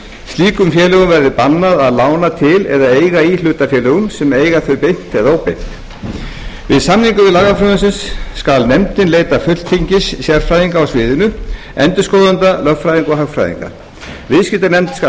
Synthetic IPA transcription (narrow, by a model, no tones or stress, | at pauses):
st̪liːkʏmfjɛːlʏɣʏmvɛɾðɪpanːaðaðlaːwnat̪ʰɪlɛðaeːjɣaiːlʏːt̪afjɛːlʏɣʏmsɛmeːjɣaθœɥpejn̥t̪ɛðaowpejn̥t̪ | vɪðsamniŋkʏvɪðlaːɣafɾʏðʏns̬ɪnsːkalnɛmt̪ɪnleːjt̪afʏ̥t̪fiɲcɪssjɛɾ̥fɾaːjðiŋkaawsvɪːðɪnʏ | ɛnt̪ʏ̥skɔːwðant̪alœffɾajðiŋkɔɦaɣfɾa̰jðḭŋka̰ | vɪðscɪt̪aɾnɛmt̪sk